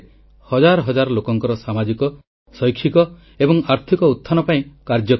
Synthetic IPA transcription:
hɔd͡ʒaɾɔɦɔd͡ʒaɾɔlokɔŋkɔɾɔsamad͡ʒikɔ | sɔjkʰːikɔ | ebɔŋaɾt̪ʰikɔut̪ʰːanɔpaĩkaɾd͡ʒɔ

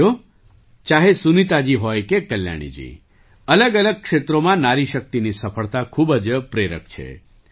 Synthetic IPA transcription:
o | t͡ʃaɦesunit̪ad͡ʒiɦojkekəlja̰ɽ̃ḭd͡ʒḭ | ələɡələɡ̚kʃet̪ɾomãnaɾiʃək̚t̪inisəfəɭt̪akʰubəd͡ʒpɾeɾə̰kt͡ʃʰḛ

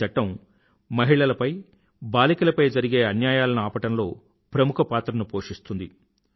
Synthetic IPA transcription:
ɐʈːɐm | mɐɦiɭɐlɐpɐj | baːlikɐlɐpɐjd͡ʒɐɾiɡe̞ːɐnjaːjaːlɐniaːpɐʈɐmlo̞ː | pɾɐmukʰɐpaːt̪ɾɐnupo̞ːʂist̪und̪i

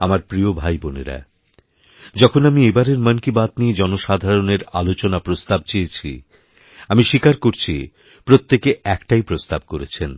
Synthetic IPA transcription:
amaɾpɾiobʱajboneɾa̰ | d͡ʑɔkʰonamiebaɾeɾmənkibat̪nied͡ʑɔnoʃad̪ʱaɾoneɾalot͡ɕonapɾost̪ab̚t͡ɕejet͡ɕʰḭ | amiʃikaɾkoɾt͡ɕʰi | pɾot̪ːekeɛkʈaijpɾost̪ab̚koɾet͡ɕʰen

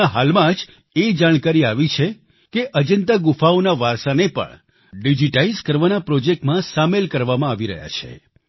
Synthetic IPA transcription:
ɦalmãd͡ʒ | ed͡ʒaɽ̃kaɾiaʋit͡ʃʰe | keʔəd͡ʒənt̪aɡufaonaʋaɾsanepə̰ɳ | ɖid͡ʒiʈaizkəɾʋanapɾɔd͡ʒek̚ʈmãsamelkəɾʋamãaʋiɾə̰ɦja̰t͡ʃʰḛ

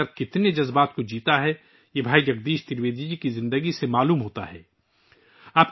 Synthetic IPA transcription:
ɐɾt̪̚kɪt̪ned͡ʒɐzbaːt̪kod͡ʒiːt̪aɦɛ | jebʱaːijɐk̚d̪iːʃt̪ɪɾʋeːd̪id͡ʒikizɪ̃nd̪əɡisemaːluːmɦoːt̪a̰ɦɛ̰ː | aːp̚

